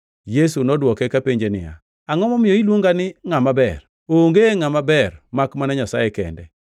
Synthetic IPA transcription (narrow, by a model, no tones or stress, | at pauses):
jesunɔdwɔkɛkapeɲd͡ʒenɪ̰ja̰ | aŋɔmɔmɪjɔilwoŋɡanɪŋamabɛr | oŋɡeŋamabɛrmakmanaɲasajɛkɛ̰ndɛ̰